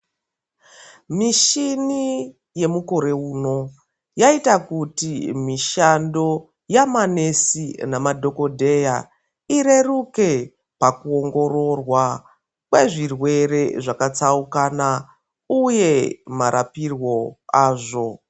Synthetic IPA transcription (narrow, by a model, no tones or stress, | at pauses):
miʃini | je̞muko̞ɾe̞uːno̞ | jaitakutimiʃando̞ | jamane̞sinamadʱo̞ko̞dʱe̞ja | iɾe̞ruke̞ | pakuo̞ŋɡo̞ɾo̞rwa | kwe̞ʐirwe̞ɾe̞ʐakat͡saukana | uje̞maɾʔapirwo̞aːʐo̞